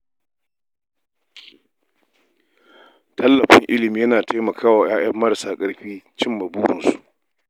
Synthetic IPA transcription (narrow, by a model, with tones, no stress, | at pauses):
tʰɐ˦lːɐ˨ɸɪ˦ŋʔɪ˦lɪ˨miː˦jɐ˦naː˨tʰa˦jmɐ˨kʰaː˦waː˨j̰aː˦jɐ˦mːɐ˦ɾsaː˨kʼɐ˦ɽɸiː˦t͡ʃɪ˦mːɐ˨buː˦ɽɪ˨nsu̥˨ʔ